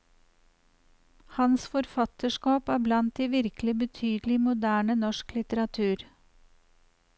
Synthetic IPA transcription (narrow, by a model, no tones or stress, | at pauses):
hɑnsfɔɾfɑt̪əʃkɑːpæːblɑnt̪̚d̪iːʋɪɾklɪbət̪ʰyːd̪lɪmʊd̪æːɳənɔʃklɪt̪əɾɑt̪ʰʉːɾ